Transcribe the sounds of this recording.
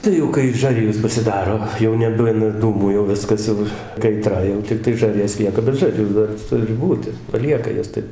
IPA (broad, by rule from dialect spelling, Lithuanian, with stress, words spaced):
ˈtɐɪ jɛʊ kɐɪ ˈʒɑːrʲɪjoːs pɐsʲɪˈdɑːroː jɛʊ nʲɛˈbʊnɐ ˈduːmuː jɛʊ ˈʋʲɪskɐs jɛʊ kɐɪˈtrɐ jɛʊ tʲɪkˈtɐɪ ˈʒɐˈrʲjoːs ˈlʲiɛkɐ bʲɛt ˈʒɐrʲjuː ˈdɐr ˈtʊrʲɪ ˈbuːtʲɪ pɐˈlʲiɛkɐ ˈjɛs ˈtɐɪp